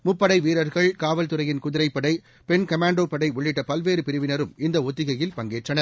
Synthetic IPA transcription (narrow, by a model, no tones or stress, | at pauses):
mʊpːɐɽɐɪʋiːɾɐɾɣɐɭkaːʋɐlt̪ɯɾɐjɪnkʊðɪɾɐɪpːɐɽɐɪ | pɛnkɐmaːɳɖoːpɐɽɐɪɔɭːɪʈːɐpɐlʋeːɾɯpɪɾɯʋɪnɐɾɯmɪnd̪ɐɔt̪ːɪɣɐjɪlpɐŋɡeːʈrɐnɐɾ